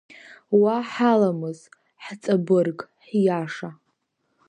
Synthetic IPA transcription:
waħalamɨz | ħt͡sʼabɨrkʼħjaʂa

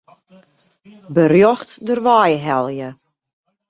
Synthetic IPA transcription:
bərjɔxtdərʋaːjɦɛlˠjə

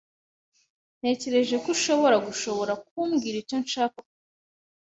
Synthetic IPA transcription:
n̥e̞ːce̞ɾe̞ʒe̞koʃo̞βo̞ɾaɡuʃo̞βo̞ɾakuːmɡiɾiconʃaːka

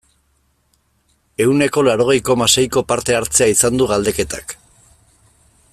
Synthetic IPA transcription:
e̞wne̞ko̞laɾo̞ɣ̞e̞jko̞mase̞jko̞paɾt̪e̞aɾt͡se̞aisand̪uɣald̪e̞ke̞t̪ak

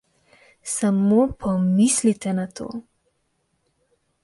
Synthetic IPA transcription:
samopʰɔmislit̪ɛnat̪ʰo̰ː

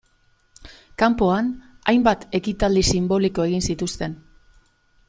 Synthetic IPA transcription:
kampo̞an | a̰jmbat̪e̞kit̪ald̪isimbo̞liko̞e̞ɣinsit̪ust̪e̞n

